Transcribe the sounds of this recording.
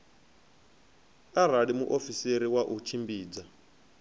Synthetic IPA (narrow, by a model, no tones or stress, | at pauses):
aɾaɺimṵʔofiseɾiwaʔut͡ʃʰimbiːd͡za